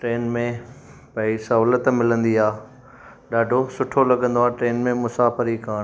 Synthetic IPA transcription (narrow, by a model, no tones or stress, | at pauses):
ʈɾeːnmẽ | pɐisɐɦuːlət̪mɪlə̃nd̪iaː | ɗaːɖʱosʊʈʰolɐɠə̃nd̪oaːʈɾeːnmẽmʊsaːfəɾikaːɽ̃